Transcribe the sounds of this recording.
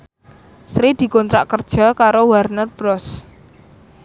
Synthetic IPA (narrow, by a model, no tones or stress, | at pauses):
sɾid̪̥i̤kɔnt̪ɾaʔkərd̥ʒ̥a̤kaɾowarnərb̥ɾɔs